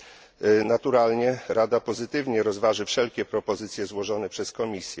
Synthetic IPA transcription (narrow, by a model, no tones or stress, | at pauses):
nat̪uɾalɲɛɾʔad̪apɔzɘt̪ɘvɲɛɾɔzvaʐɘfʂɛlkʲɛpɾɔpɔzɘt̪sʲjɛzwɔʐɔnɛpʂɛskɔmʲisʲjɛ